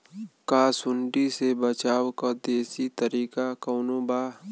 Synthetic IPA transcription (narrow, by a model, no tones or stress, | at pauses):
kaːsʊɳɖisebət͡ʃaːwkad̪eːsit̪əɾiːkakɐːnobaː